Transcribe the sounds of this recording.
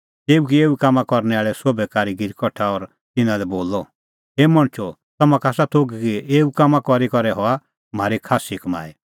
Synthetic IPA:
t̪eːukieːukaːmãkɔɾnɛaːɭɛsobɛkaːɾiɡɪɾkɔʈʰaɔɾ | t̪ɪnãlɛboːlɔ | eːmɔɽ̃t͡ʃʰɔ | t̪ɐmãkaːsat̪ʰoːɡkieːukaːmãkɔɾikɔɾɛɦɔa | m̤aːɾikʰaːsikma̰ːɛ

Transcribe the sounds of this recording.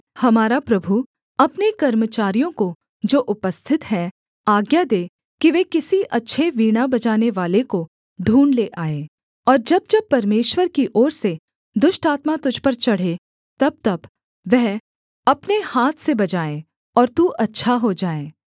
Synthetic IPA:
hɐmaːɾapɾɐbʱu | ɐpnekɐɾmət͡ʃaːɾijõko | d͡ʒoːʔʊpəst̪ʰɪt̪ɦɛː | aːɡjad̪eː | kiʋeːkɪsiʔɐtːʃʰeʋiːɽ̃abɐd͡ʒaːneʋaːleko | ɖʱuːɳleʔaːeː | ɔːɾd͡ʒɐb̚d͡ʒɐb̚pɐɾmeːʃwəɾkiʔɔːɾse | d̪ʊʃʈaːt̪mat̪ʊd͡ʒʱpɐɾt͡ʃɐɽ̤e | t̪ɐb̚t̪ɐb | ʋɛɦ | ɐpnehaːt̪ʰsebɐd͡ʒaːe | ɔːɾt̪uʔɐtːʃʰaɦod͡ʒaːeː

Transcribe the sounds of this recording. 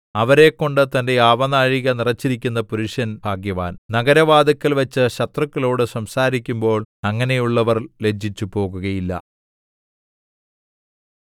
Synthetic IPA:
ɐʋɐɾe̞kːo̞ɳɖɨt̪ɐnde̞jaːʋɐnaːɻiɣɐnirɐt͡ɕːiɾikʲːunːɐpuɾuʂjɐnbʱaːɡjɐʋa̰ːnnɐɡɐɾɐʋaːd̪ɐkːɐlʋɐt͡ɕːɨɕɐt̪rɐkːɐlo̞ːɽɨsɐmsaːɾikʲːumbo̞ːɭɐŋːɐne̞juɭːɐʋɐrle̞d͡ʑʱːit͡ɕːupo̞ːɣuɣɐjilːɐ̰

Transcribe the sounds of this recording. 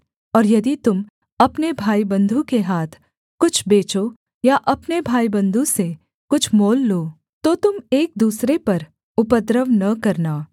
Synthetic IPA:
ɔːɾjɐd̪it̪ʊm | ɐpnebʱaːibɐ̃nd̪ʱũkeɦaːt̪ʰ | kʊt͡ʃʰbeːt͡ʃo | jaʔɐpnebʱaːibɐ̃nd̪ʱũse | kʊt͡ʃʰmoːlːoː | t̪ot̪ʊmeːk̚d̪uːsɾepɐɾ | ʊpəd̪ɾəʋnɐkɐɾnaː

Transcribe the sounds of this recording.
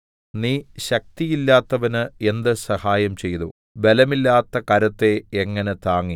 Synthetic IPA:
niːɕɐk̚t̪ijilːaːt̪ːɐʋɐnɨe̞nd̪ɨsɐhaːjɐmt͡ɕe̞jðu | be̞lɐmilːaːt̪ːɐkɐɾɐt̪ːe̞ːŋːɐne̞t̪aːŋːi

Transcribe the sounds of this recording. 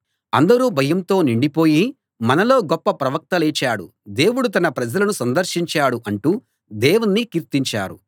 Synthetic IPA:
ɐnd̪ɐɾuːbʱɐjɐmt̪o̞ːniɳɖipo̞ːji | mɐnɐlo̞ːɡɔpːɐpɾɐʋɐk̚t̪ɐlɛːt͡ʃaːɽṵ | d̪e̞ːwuɽut̪̬ɐnɐpɾɐd͡ʒɐlɐnusɐnd̪ɐɾʃiɲt͡ʃaːɽuʔɐɳʈuː | d̪eːwunːikiɾt̪iɲt͡ʃa̰ːɾṵ

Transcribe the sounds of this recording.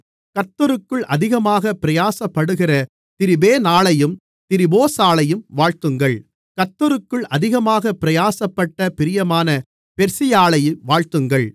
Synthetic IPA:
kɐt̪ːɐɾɯkːɯɭʔɐðɪɣɐmaːɣɐpɪɾɐjaːsɐpːɐɽɯɣɪrɐ | t̪ɪɾɪbeːnaːɭɐjɯm | t̪ɪɾɪboːsaːɭɐjɯmʋaːɻt̪ɯŋɡɐɭ | kɐt̪ːɔɾɯkːɯɭʔɐðɪɣɐmaːɣɐpɪɾɐjaːsɐpːɐʈːɐpɪɾɪjɐmaːnɐ | pɛɾsɪjaːɭɐjɯmʋaːɻt̪ɯŋɡɐɭ

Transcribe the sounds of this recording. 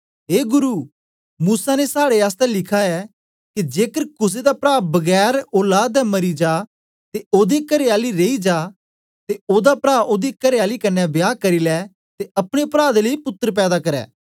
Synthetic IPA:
ɦeːɡʊɾuː | muːsanesaːɽeaːs̬t̪ɛlɪkʰaɛː | kid͡ʒeːkəɾkʊs̬ed̪apɾaːbɐɡɛːɾoːlaːd̪ɛmɐɾid͡ʒaː | t̪eoːd̪ekɐɾeaːliɾeːid͡ʒaː | t̪eoːd̪apɾaːʔoːd̪ekɐɾeaːlikɐnːɛbjaːkɐɾilɛː | t̪eʔɐpɽ̃epɾaːd̪ləipʊt̪ːəɾp̬ɛːd̪akɐɾɛ̰ː

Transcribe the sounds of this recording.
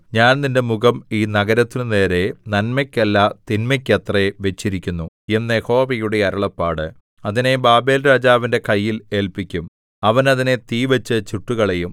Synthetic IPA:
ɲaːnninde̞muɣɐmiːnɐɡɐɾɐt̪ːinɨne̞ːɾe̞nɐnmɐkʲːelːɐt̪inmɐkʲːet̪reʋe̞t͡ɕːiɾikʲːunːu | enːjeho̞ːʋɐjuɽe̞ɐɾɐɭɐpːaːɽɨ | ɐðine̞baːbe̞ːlɾaːd͡ʑaːʋinde̞kɐjːile̞ːlpikʲːum | ɐʋɐnɐðine̞t̪iːʋɐt͡ɕːɨt͡ɕuʈːuɣɐɭe̞jum

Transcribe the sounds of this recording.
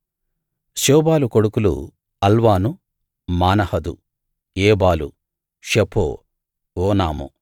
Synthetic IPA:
ʃoːbaːlukoɽukulṵ | ɐlʋaːnu | maːnɐhɐd̪ṵ | eːbaːlṵ | ʃepʰo̰ː | oːnaːmṵ

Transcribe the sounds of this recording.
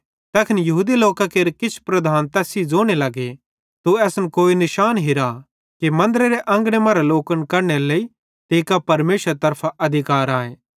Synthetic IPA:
t̪ɛːkʰɪnjɐɦuːd̪iloːkakeːɾkɪt͡ʃʰpɾɐd̪ʱaːnt̪ɛːsid͡zoːɽ̃elɐɡe | t̪uɛːsnkoːinɪʃaːnɦiɾa | kimɐ̃nd̪əɾeɾeʔɐ̃ŋɡɽ̃emɐɾaloːkənkɐɾɽelei | t̪eːkapɐɾmeːʃəɾt̪ɐɾpʰaʔɐd̪ʱɪkaːɾaːẽː

